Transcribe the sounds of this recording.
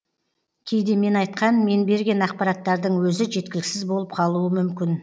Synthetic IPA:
kʲʰe̞jd̪e̞me̞nɑjt̪qʰɑnme̞nbe̞ɾɡʲe̞nɑq̚pɑɾɑt̪ːɑɾd̪əɴwɵzɪʒe̞t̪̚kʲɪlɪkʲsɪzbo̞lˠəp̚qʰɑlˠuəmʏmkʲɪn

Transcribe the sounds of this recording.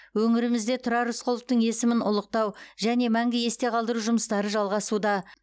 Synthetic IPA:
wɵŋɪɾɪmɪzd̪e̞t̪ʰʊɾɑɾʊsqʰəlˠəp̚t̪əɴe̞sɪmɪnʊ̰lˠəq̚t̪ɑwʒæne̞mæŋɡʲɪje̞st̪e̞qʰɑlˠd̪əɾuʒʊməst̪ɑɾəʒɑlˠʁɑsud̪ɑ

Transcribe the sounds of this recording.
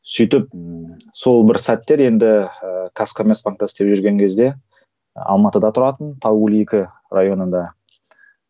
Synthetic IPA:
sʏjt̪ɪp̚ | so̞lˠbɪɾsæt̪ːe̞ɾe̞nd̪ɪkʰaskʰomʲe̞rtspaŋk̚t̪ɑsɪt̪e̞pʒʏɾɡʲe̞ŋkʲʰe̞zd̪e̞ | ɑ̰lˠmɑt̪əd̪ɑt̪ʰʊɾɑt̪ənt̪ʰɑlˠwɵliekʲɪ | rajo̞nənd̪ɑ

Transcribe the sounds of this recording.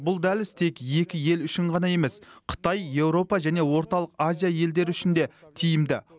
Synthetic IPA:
bʊlˠd̪ælɪst̪ʰe̞kje̞kʲɪje̞lʏʃɪɴʁɑnɑje̞me̞sqʰə̥t̪ɑjːe̞wɾo̞pɑʒæne̞wo̞ɾt̪ɑlˠəqazijaje̞ld̪e̞ɾɪʏʃɪnd̪e̞t̪ʰijɪmd̪ɪ

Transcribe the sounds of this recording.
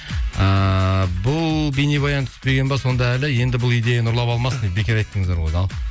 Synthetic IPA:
əbʊlˠbenibɑjɑnt̪ʰʏ̥spe̞ɡʲe̞nbɑso̞nd̪ɑælɪje̞nd̪ɪbʊlˠijd̪e̞jenʊɾlˠɑpɑlˠmɑsənebe̞kʲeɾɑjt̪ːəŋəzd̪ɑɾwojd̪ɑlˠ

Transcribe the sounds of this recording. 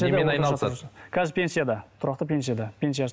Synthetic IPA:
jad̪enɑj̪ɑkʲʰæzɪpʰʲe̞nsijad̪ɑt̪ʰʊɾɑqt̪əpʰʲe̞nsijad̪ɑpʲʰe̞nsijas

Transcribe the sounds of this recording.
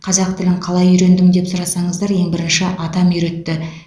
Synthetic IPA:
qʰɑzɑq̚t̪ɪlɪɴqʰɑlˠɑjʏɾe̞nd̪ɪmd̪e̞psʊɾɑsɑɴəzd̪ɑɾje̞ŋbɪɾɪnʃɪʔɑt̪ɑmjʏɾe̞t̪ːɪ

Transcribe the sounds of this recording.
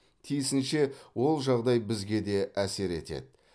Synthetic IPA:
t̪ʰijɪsɪnʃe̞wo̞lˠʒɑʁd̪ɑjbɪzɡʲe̞d̪e̞ʔæse̞ɾe̞̰t̪e̞̰d̪ɪ

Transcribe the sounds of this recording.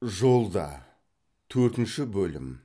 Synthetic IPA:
ʒo̞lˠd̪ɑ̰ | t̪ʰɵɾt̪ɪnʃɪbɵlɪ̰m

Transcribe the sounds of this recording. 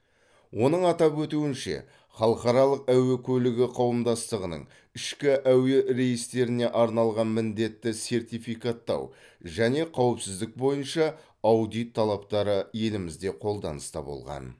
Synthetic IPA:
wo̞nəɴɑt̪ɑpwɵt̪uwɪnʃe̞̰ | χɑlˠəqɑɾɑlˠəq̚æwekʲʰɵlɪɡʲɪqʰɑwəmd̪ɑst̪əʁənə̰ɴ | ɪʃkʲɪʔæweɾe̞jɪst̪e̞ɾɪne̞ʔɑɾnɑlˠʁɑnmɪnd̪e̞t̪ːɪse̞ɾt̪ijfijkat̪ːɑ̰w | ʒæne̞qʰɑwəpsɪzd̪ɪk̚bo̞jənʃɑ | ɑwd̪ijt̪ʰːɑlˠɑpt̪ɑɾəje̞lɪmɪzd̪e̞qʰo̞lˠd̪ɑ̰nəst̪ɑ̰bo̞̰lˠʁɑ̰n

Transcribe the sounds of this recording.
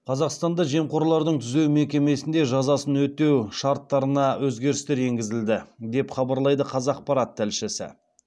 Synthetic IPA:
qʰɑzɑqst̪ɑnd̪ɑʒe̞mqo̞ɾlˠɑɾd̪əɴt̪ʰʏze̞wmekʲe̞me̞sɪnd̪e̞ʒɑzɑsənwɵt̪e̞wʃɑɾt̪ːɑɾənɑwɵzɡʲe̞ɾɪst̪e̞ɾe̞ŋɡʲɪzɪld̪ɪd̪e̞pχɑbɑɾlˠɑjd̪əqʰɑzɑːq̚pɑɾɑt̪ʰːælʃɪsɪ̰

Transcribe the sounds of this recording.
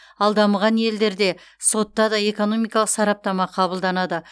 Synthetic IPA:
ɑlˠd̪ɑmʁɑnje̞ld̪e̞ɾd̪e̞ | so̞t̪ːɑd̪ɑe̞ko̞no̞mijkɑlˠəqsɑɾɑp̚t̪ɑmɑqʰɑbəlˠd̪ɑnɑd̪ə

